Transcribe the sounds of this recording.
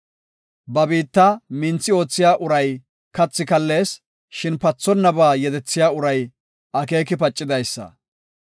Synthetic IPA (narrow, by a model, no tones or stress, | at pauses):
bɐbiːt̪ːamɪnt͡sːɪo̞ːt͡sːɪjaːʔʊɾɐj | kɐt͡sːɪkɐlːe̞ːs | ʃɪnpɐt͡sːɔnːɐbaːjɛd̪ɛt͡sːɪjaːʊɾɐj | ʔɐke̞ːkɪpɐt͡ʃʼːɪd̪ɐjsːɐ̰